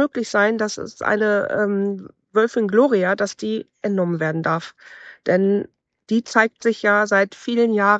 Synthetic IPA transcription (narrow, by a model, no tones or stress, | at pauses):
øːklɪçz̥aɪndasɛ̰sʔa̰ɪnəʔɛ̰ːm | vœlfɪnɡloːʁiadasd̥iːʔɛtnɔmənveːɐdn̩daɐfd̥ɛn | d̥iːt͡saɪk̚tz̥ɪçjaːzaɪtfiːlənjaːʁ